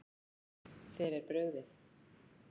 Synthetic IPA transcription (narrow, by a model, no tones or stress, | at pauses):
θɛɾɛɾpɾœːɥɣðɪθ